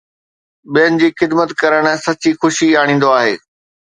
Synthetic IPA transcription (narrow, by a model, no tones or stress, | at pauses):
ɓijənɪ̆d͡ʑiːxɪd̪mət̪kɐɾəɽ̃sɐt͡ɕixʊʃiaːɽ̃ĩːn̆d̪oaːɦeː